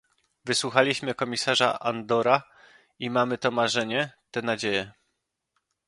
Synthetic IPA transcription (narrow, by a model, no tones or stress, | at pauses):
vɘswuxalʲiɕmɘkɔmʲisaʐa̰ʔand̪ɔɾa | imamɘt̪ɔmaʐɛɲɛt̪ɛnad͡ʑejɛ